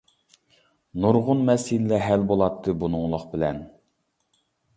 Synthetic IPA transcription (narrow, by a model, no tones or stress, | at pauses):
nuɾʁʊnmɛshinlːɛɦɛlbolˠɑt̪ʰːɨbunʊŋlˠʊχbɪlɛ̰n